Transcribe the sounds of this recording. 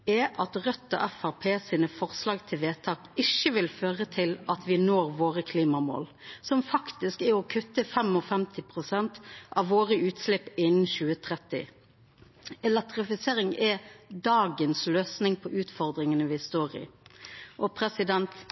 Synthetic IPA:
ɛʔɑt̪ʁœt̪ːɔ̰ʔɛfæʁpʰeːsiːnəfɔʁslɑːɡt̪ʰɪlʋeːt̪ʰɑːkɪʃəʋɪlføːʁət̪ʰɪlɑt̪ʰʋɪnoːɾʋoːʁəkʰliːmɑmo̰ːl | sɔmfɑkt̪ɪskɛɔkʰʉt̪ːəfɛmɔfɛmt̪ʰɪpʰɾʊsɛnt̪ʔɑʋʋoːʁəʉːt̪slɪpːɪnn̩ɕʉːət̪ʰɾɛt̪ːɪ̰ | ɛlɛk̚t̪ʁɪfɪseːɾɪŋɛd̪ɑːɡənsløːsnɪŋpʰɔʔʉːt̪fɔʁd̪ɾɪŋənəʋɪst̪oːʁɪ̰ | ʔɔpʰɾɛsɪd̪ɛnt̪

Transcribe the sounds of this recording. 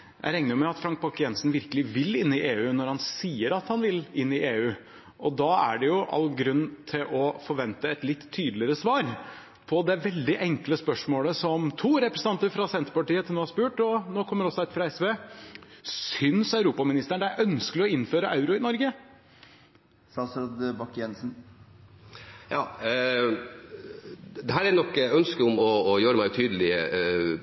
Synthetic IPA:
jʔæ̰ɪɾɛŋnəmɛɑt̪fɾɑŋk̚pɑkɪɛnsnʋɪɾkəlɪʋɪlɪnːɪʔeːʉːnɔɾhɑnsiːəɾɑt̪hɑnʋɪlɪnːɪʔeːʉː | ɔd̪ɑæ̰ɖɛjʊʔɑ̰lːɡɾʉnːt̪ʰɪlʔɔfɔɾʋɛnt̪əɛt̪lɪt̪ʰːyːd̪lɪəɾəsʋɑːɾ | pʰɔd̪ɛʋɛld̪ɪʔɛŋkləspœʂmoːləsɔmt̪ʰuːɾɛpɾəsənɑnt̪əɾfɾɑsɛnt̪ɾəpɑʈiːət̪ʰnoːhɑɾspʉːʈɔnoːkʰɔmːəɾɔsːɔæt̪fɾɑɛsʋeː | sʏnsɑʉɾuːpɑmɪnɪst̪əɳd̪æɪʔœnskəlɪɔɪnːføːɾəʔɑʉɾʊɪnɔɾɡə | sɑsɾɑd̪bɑkːjɛnsn | jɑː | d̪ɛɦæːɾænɔkːœnskəʊmɔːjøːɾəmæɪt̪ʰyːd̪əlɪə

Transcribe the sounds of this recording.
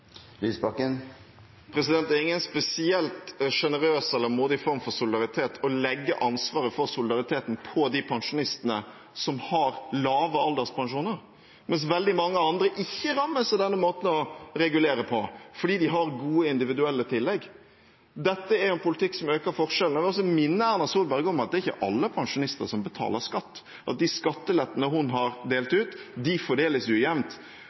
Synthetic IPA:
lyːsbɑkːən | pʰɾɛsɪd̪ɛnt̪æɾɪŋːənspɛsɪɛlt̪ʂɛnəɾøːsɛlːəɾmuːd̪ɪfɔɾmfɔɾsʊlɪd̪ɑɾɪt̪ʰeːt̪ʰɔlɛɡːə̰ʔɑnsʋɑːɾəfɔɾsʊlɪd̪ɑɾɪt̪ʰeːt̪n̩pʰɔd̪ɪpʰɑŋʂʊnɪst̪ənə | sɔmhɑɾlɑːʋəɑld̪əɾspʰɑŋʂuːnəɾ | mɛns̬ʋɛld̪ɪmɑŋːəɑnd̪ɾəʔɪçːəɾɑmːəsɛd̪ɛnːəmoːt̪n̩ɔɾɛɡʉleːɾəpʰɔfɔɖiːd̪ɪɦɑɾɡuːəɪnd̪ɪʋɪd̪ʉɛlːət̪ʰɪlːɛɡː | d̪ɛt̪ːəɛɾɛnpʊlɪt̪ʰɪksɔmøːkəɾfɔɾʂɛlnəʋɪɔs̬ɔmɪnːəæɾnɑsuːlbɛɾɡəɔmɑt̪̚d̪ɛːɾɪçːə̰ʔɑlːəpʰɑŋʂʊnɪst̪ə̰ɾsɔmbət̪ʰɑ̰ːləɾskɑt̪ː | ʔɑt̪̚d̪ɪskɑt̪ːəlɛt̪ːənəɦʊnɦɑɾd̪eːlt̪ʉːt̪d̪ɪfɔɖeːləsjʉjɛmnt̪

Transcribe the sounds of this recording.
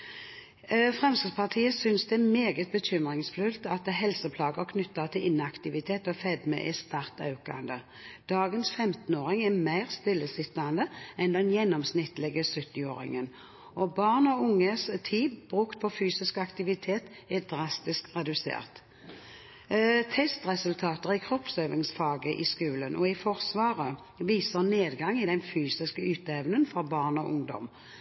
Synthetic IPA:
fʁɛmsəpʰɑʁt̪ʰiːəsʏnsd̪ɛmeːɡət̪̚bəc͡çʏmʁɪŋsflʉlt̪ɑt̪ɦɛlsəpʰlɑːɡəkʰnʏt̪ːɑt̪ʰɪlʔɪnɑkt̪ɪʋɪt̪ʰeːt̪ɔfɛd̪mɛ̰ʔɛst̪ɑʁt̪ɑ̰ʉkɑ̰nd̪ə | d̪̥ɑːɡənsfɛmt̪n̩oːʁɪŋɛmæɪʁst̪ɪlːəsɪt̪ːɑnd̪əɛnd̪ɛnjɛnːɔmsnɪt̪lɪɡəsʉt̪ːɪo̰ːɾɪ̰ŋən | ɔbɑʁnɔʊŋːəst̪ʰiːbbʁʉkt̪̚pʰɔfyːsɪskɑkt̪ɪʋɪt̪ʰeːt̪ | ɛd̪ʁɑst̪ɪskʁɛd̪ʉsḛːʁt̪ | t̪ʰɛst̪ʁɛsʉlt̪ʰɑːt̪əʁɪkʰʁɔpsøːʋɪŋsfɑːɡəʔɪskʉːlənʔɔ̰ɪfɔʁsʋɑːʁə | ʋiːsəʁneːd̪ɡɑŋɪd̪ɛnfyːsɪskəʉːt̪ɛʋnənfɔʁbɑːʁnɔʔʊŋd̪ɔ̰m

